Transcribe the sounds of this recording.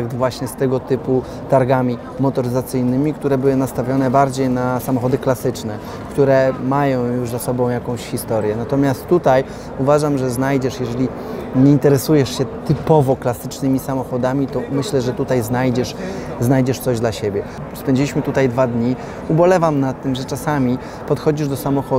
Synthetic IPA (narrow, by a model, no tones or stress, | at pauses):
k̚d̪vwaɕɲɛst̪ɛɡɔt̪ɘpu | t̪aɾɡamʲi | mɔt̪ɔɾɘzat̪sɘjnɘmʲikt̪uɾɛbɘwɘnast̪avʲjɔnɛbaɾd͡ʑejnasamɔxɔd̪ɘklasɘt͡ʂnɛ | kt̪uɾɛmajɔ̃w̃juʐzasɔbɔ̃w̃jakɔ̃w̃ɕxʲist̪ɔɾʲjɛnat̪ɔmʲjast̪ːut̪aj | uvaʐamʐɛznajd͡ʑɛʂjɛʐɛlʲi | ɲɛint̪ɛɾɛsujɛʂɕɛt̪ɘpɔvɔklasɘt͡ʂnɘmʲisamɔxɔd̪amʲit̪ɔmɘɕlɛʐɛt̪ut̪ajznajd͡ʑɛʂ | znajd͡ʑɛʂt̪sɔʑd̪laɕebʲjɛ | spɛɲd͡ʑilʲiɕmɘt̪ut̪ajd̪vad̪ɲi | ubɔlɛvamnat̪ːɘmʐɛt͡ʂasamʲi | pɔt̪xɔd͡ʑiʐd̪ɔsamɔxɔ